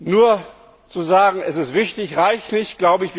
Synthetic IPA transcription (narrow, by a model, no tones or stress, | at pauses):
nuːɐ | t͡suzaːɡŋ̩ɛsɪstv̥ɪçtɪçʁaɪçnɪçtɡ̥laʊbəɪçv̥